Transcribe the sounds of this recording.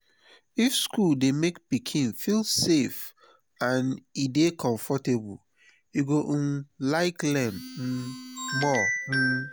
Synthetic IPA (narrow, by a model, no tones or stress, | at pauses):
ifskuldemekpikʰĩnfilsef | ãnidekʰɔ̃ɱfɔtebṵl | iɡoʔ̩nlaɪklɛ̃n̩ | mɔ